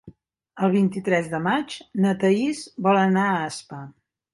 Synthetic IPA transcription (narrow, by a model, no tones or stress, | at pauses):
əlˠβ̞int̪it̪ɾɛzðəmad͡ʒnət̪əizbɔlənaəːspa